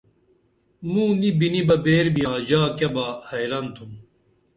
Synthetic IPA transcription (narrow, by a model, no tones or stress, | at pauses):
mũːnibinibɐbeːɾbijaːd͡ʑaːkɐbaːhɐjlɐnt̪ʰum